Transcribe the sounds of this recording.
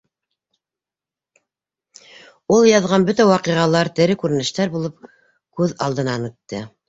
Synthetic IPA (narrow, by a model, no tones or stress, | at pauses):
ulˠjɑðʁɑnbɵt̪æwɑqiʁɑlˠɑɾt̪ɘ̆ɾɘkʉɾɘ̆nɘ̆ʃt̪æɾbulˠɤp̚ | kʉðɑ̰lˠd̪ɤ̆nɑnʉt̪ːɘ